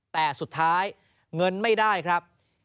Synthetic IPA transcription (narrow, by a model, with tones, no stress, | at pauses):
t̪ɛː˨˩su˨˩t̪ʰːaː˦˥j | ŋɤ˧nma˥˩jdaː˥˩jkʰɾa˦˥p̚